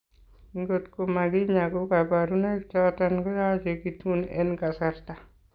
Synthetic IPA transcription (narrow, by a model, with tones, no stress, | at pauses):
ŋɡotko˨ma˨ɡɪ˦ɲa˨ɡo˦ka˨baɾu˦na˦kt͡ʃɔtanɡɔ˦jat͡ʃe˨kitu˦nɛ̰nka˨saɾta˨